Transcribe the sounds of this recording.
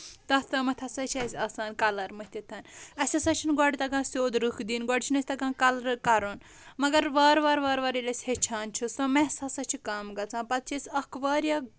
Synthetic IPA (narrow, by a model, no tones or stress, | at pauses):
t̪ɐst̪ɐmɐt̪ʰɐsɐt͡ʃʰiɐsʲaːsaːnkɐlɐɾmɐht̪ʲit̪ʰɐnɐsʲɐsɐt͡ʃʰinɡɔɖʲt̪ɐkãːsʲoːd̪ɾɨkʰd̪iːnɡɔɖʲt͡ʃʰinɐsʲt̪ɐkãːkɐlɾkɐɾoːn | mɐɡɐɾʋaːɾʋaːɾʋaːɾʋɐːɾilʲesʲhet͡ʃʰaːnt͡ʃʰisɐmesɐsɐt͡ʃʰikaːmɡɐt͡sʰãːpɐt̪̚t͡ʃʰiesʲɐkʰʋaːɾjɐ